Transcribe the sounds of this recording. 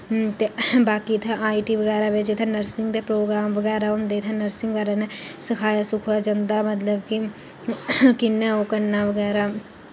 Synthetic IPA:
t̪eːbaːkiːt̪ʰãʔaːiːʈiːʋəɡɛːɾaːʋɪt͡ʃɪt̪ʰɛ̃ːnəɾsɪŋɡd̪eːpɾoːɡɾaːmʋəɡɛːɾaːʊnd̪eːt̪ʰɛ̃ːnəɾsɪ̃ŋɡʋaːɾɛːnɛːsəkʰaːjaːsʊkʰaːd͡ʒãnd̪aːmət̪ləbkɪ | kɪnːɛ̃ːoːkənːaːʋəɡɛːɾaː

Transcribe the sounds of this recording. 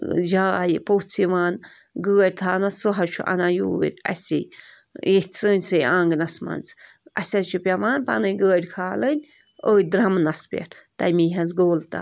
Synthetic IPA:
d͡ʒaːjipot͡sʰiʋaːn | ɡəːɾʲt̪ʰaːnɐsuɦɐt͡ʃʰuʔɐ̰najuːḭɾʲɐ̰sʲḭ | jehʲt͡sɨːnʲsɨjãːŋɡnɐsmɐ̰nt͡s | ʔɐsʲɐt͡ʃʰupʲaʋaːnpɐ̰nɨɡəːɾʲkʰaːlənʲ | əːjd̪ɾɐmnɐspʲḛɾt̪ɐjmiːɦɐnzɡoːlt̪a̰

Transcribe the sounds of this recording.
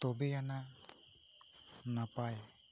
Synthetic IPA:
t̪obeana | napae

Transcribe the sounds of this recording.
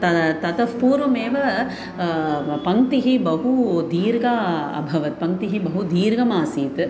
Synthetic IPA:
t̪ɐt̪ɐt̪ɐfpuːɾʋɐmeːʋɐ | pɐŋt̪iɦibɐɦud̪iːɾɡaːɐ̰bʱɐʋɐt̪̚pɐŋt̪iɦibɐɦud̪iːɾɡɐmaːsiːt̪

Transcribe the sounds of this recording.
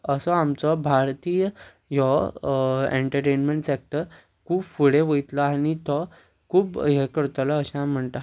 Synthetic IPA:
əsɔamt͡sɔbʱaɾt̪iːjə | jɔ | ḛɳʈəɾʈenmeɳʈsek̚ʈəɾ | kʰuːbfuɽeʋəit̪lɔañit̪ɔ | kʰuːbɦekəɾt̪alɔəɕãm̤əɳt̪a

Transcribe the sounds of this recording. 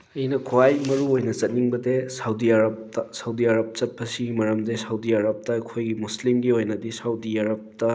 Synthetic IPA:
ɐjnɐkʰwajmɐɾuojnɐt͡ʃɐt̚niŋbɐdesawdiaɾɐp̚ɐsɐwdiaɾɐp̚t͡ʃɐt̚pʰɐsiɡimɐɾɐmdesɐwdiaɾɐp̚tɐɐkʰojɡimuslimɡiojnɐdisawdiaɾɐp̚tɐ

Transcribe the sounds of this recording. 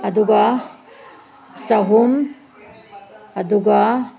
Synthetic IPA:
ad̪uɡa | t͡saɦum | ad̪uɡa

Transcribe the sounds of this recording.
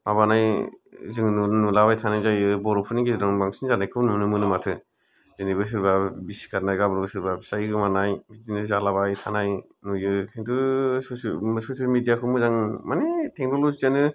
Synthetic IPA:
maβanajzɯŋnunulabajtʰanajzajɯbɔɾɔpʰunikʰezɯɾaŋbaŋsinzanajkʰɯwnunɯmɯnɯmatʰɯ | zɯnibɯs̬ɯɾbabisi̥kʰaɾnajɡabɯɾbɯsɯɾbabisajɡɯmanajbitinɯzalaβajtʰanaj | nujɯkʰentɯsɔssosialmidijakʰɯmɯzaŋmanetʰek̚nolozianɯ

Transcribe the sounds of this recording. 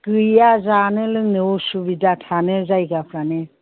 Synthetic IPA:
ɡ̥ɯjazanɯlɯŋnɯɔsubidatʰanɯzajɡapʰɾanɯ

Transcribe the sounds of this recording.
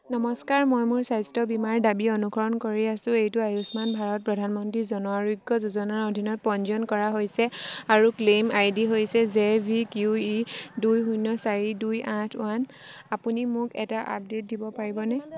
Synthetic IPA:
nɔmɔskaɹmɔjmʊɹsajstɔbimaɹdabiɔnukʰɔɹɔnkoɹiasʊ̃ejtʊajusmanbʱaɹɔt̚pɹɔdʱanmɔntɹizɔnɔaɹuɡɔzuzɔnaɹodʱinɔt̚pɔnzɔnkɔɹaɦojsɛaɹuklemajdiɦojsɛzebʱikjuidujɦujnɔsaɹidujʔãtʰwan | apunimʊkɛ̰taʔa̰p̚det̚dibɔpaɹibɔnɛ

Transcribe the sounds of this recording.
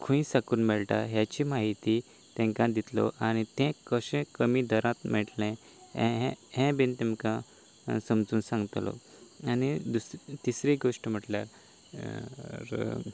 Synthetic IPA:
kʰũĩsakuːnmɛɭʈa̰ɦjat͡ɕiːmaɦit̪i | t̪ɛ̃ŋkãd̪it̪lɔ̰ʔañit̪ɛ̃kəɕɛ̃kəmiːd̪ʱəɾãt̪mɛʈlɛ̃ | ɛ̰̃ɦɛ̃ɦɛ̃bint̪ɛmkã | səmd͡zuːnsãŋɡt̪lɔ̰ | anid̪ust̪isɾiɡoʂʈəm̤əʈlja̰ɾ | ɾ

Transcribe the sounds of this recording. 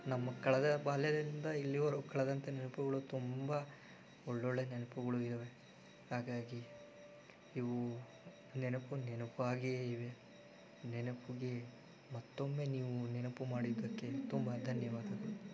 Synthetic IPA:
nɐmːɐkɐɭɐd̪ɐbaːljɐd̪ɐɾind̪ɐilːiʋɐɾukɐɭɐd̪ɐnt̪ɐnɛnɐpuɡɐɭut̪umbɐ | ɔɭːoɭːenɛnɐpuɡɐɭuiɾɐʋe̞ | haːɡaːɡi | ʋu | nɛnɐpunɛnɐpuaːɡiiʋe̞ | nɛnɐpuɡe̞ | mɐt̪ːo̞mːe̞niːʋunɛnɐpumaːɽid̪ɐkːe̞t̪umbɐd̪ʱɐnjɐʋaːd̪ɐd̪u

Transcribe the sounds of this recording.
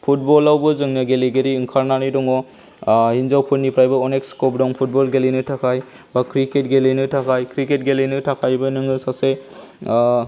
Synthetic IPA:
pʰut̚bɔlawbɯzɯŋnɯɡeleɡeɾiɯŋkʰaɾnanɯjdɔŋɔ | hinzawpʰɯnːipʰɾajbɯɔnekskɔp̚dɔŋpʰut̚bɔlɡelinɯtʰakʰaj | bakɾiket̚ɡelenɯtʰakʰajkɾiket̚ɡelenɯtʰakʰajbɯnɯŋɯsase

